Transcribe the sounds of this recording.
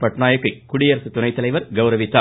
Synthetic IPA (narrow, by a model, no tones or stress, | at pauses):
pɐʈnaːjɐkːɐkʊɽɪjɐɾɐsɯt̪ːʊnɐɪt̪ːɐlɐɪʋɐɾɡɐʊɾɐʋɪt̪ːaː